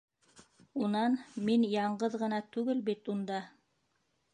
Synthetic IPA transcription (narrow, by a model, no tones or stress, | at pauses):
unɑnminjɑɴɢɤðʁɤ̆nɑt̪ʉɡɘlbit̪und̪ɑ